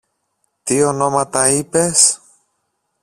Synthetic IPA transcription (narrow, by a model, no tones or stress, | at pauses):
t̪io̞no̞mɐt̪ɐipe̞s